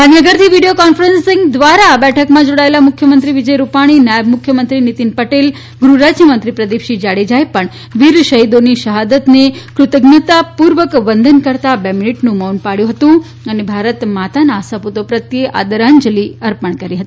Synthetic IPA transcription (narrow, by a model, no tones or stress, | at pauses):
d̪ʱanjəɡəɾt̪ʰiʋiɖijokɔnfəɾənsiŋɡd̪ʋaɾabɛʈʰəkmãd͡ʒoɽaelamʊkʰjəmənt̪ɾiʋid͡ʒəjɾupaɽ̃inajəbmʊkʰjəmənt̪ɾinit̪inpəʈel | ɡɾuɾad͡ʒjəmənt̪ɾipɾəd̪ipʃid͡ʒaɽed͡ʒajpəɳ | ʋiɾʃəɦid̪oniʃəɦad̪ət̪nekɾʊt̪əɡnət̪apuɾʋəkʋənd̪ʱənkəɾt̪abeminiʈnũmonpaɽjũɦət̪ũ | ənebʱaɾət̪mat̪anasəput̪opɾət̪jeʔa̰d̪əɾaɲd͡ʒəliəɾpəɳ̃kəɾiɦət̪i